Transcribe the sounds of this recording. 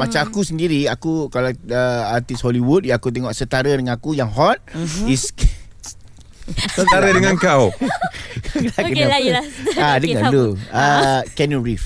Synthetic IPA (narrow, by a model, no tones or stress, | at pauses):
mat͡ʃamakusəndiɾiakukalaəart̪ishɔliwut̚jãakut̪̬eŋɔʔsət̪aɾədəŋanakujaŋɦɔt̪̚is | sət̪aɾədəŋãŋkaw | lka | adəŋaduəkɛnurif